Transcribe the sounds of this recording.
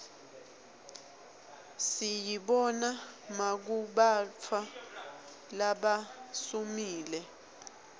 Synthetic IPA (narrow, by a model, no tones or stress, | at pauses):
sijiɓɔnamak̬uɓat͡ffʰa | laɓasumiːlɛ